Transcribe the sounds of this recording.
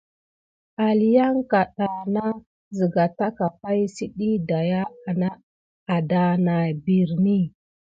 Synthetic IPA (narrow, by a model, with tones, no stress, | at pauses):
a˨li˨ja˦ŋka˨ɗa˨na˦ | zi˨ɡa˨ta˦ka˨pa˦jsi˦ɗi˦da˨ja˦a˨na˦ | a˨da˨na˨bi˨ɾni˦˨